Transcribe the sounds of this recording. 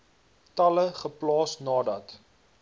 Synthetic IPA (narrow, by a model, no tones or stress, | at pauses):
tɐləχəplɑːsnɑːdɐt